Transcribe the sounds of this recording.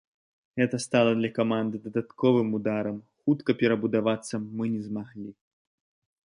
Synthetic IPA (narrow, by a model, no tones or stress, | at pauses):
ɣɛt̪ɐst̪alˠɐd̪lʲɐkamand̪ɨd̪ɐd̪at̪kɔvɨmud̪aɾɐmxut̪kɐpʲɛɾɐbud̪avat̪sːɐːɨnʲɛzmaɣlʲi